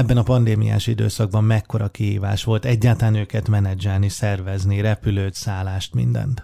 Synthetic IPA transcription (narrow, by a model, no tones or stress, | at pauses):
ɛbːɛnɒpɒnd̪eːmḭja̰ːʃid̪ø̰ːsɒɡ̚bɒmmɛkːo̞ɾɒkiɦḭːva̰ːʃʋo̞lt̪ɛɟːaːt̪ɒlaːnøːkɛt̪mɛnɛd͡ʒɛlnisɛrvɛzniɾɛpyløːt̪saːlaːʃt̪mḭnd̪ɛ̰nt̪